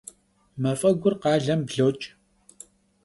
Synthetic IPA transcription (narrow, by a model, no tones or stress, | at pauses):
mɐfʼɐɡʷʊrqɑːɮɐmbɮoːt͡ʃʼ